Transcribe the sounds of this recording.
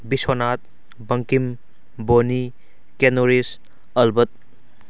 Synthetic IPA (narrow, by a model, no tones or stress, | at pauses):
bisonat̪̚ | bɐŋkim | boni | kenoɾis | ɐlbɐt̪̚